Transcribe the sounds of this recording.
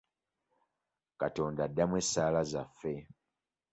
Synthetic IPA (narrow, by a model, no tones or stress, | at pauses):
kato̞ːndadːamwe̞saːlazafːe̞